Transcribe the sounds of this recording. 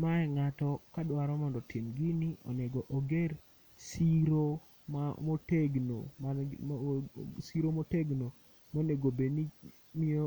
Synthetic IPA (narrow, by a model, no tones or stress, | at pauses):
maɛŋatɔkadwaɾɔmɔndɔtʰimɡiniʔɔ̰neɡɔʔoɡer | siɾo | mamoteɡno̰ma | siɾomoteɡno | moneɡobeni | mio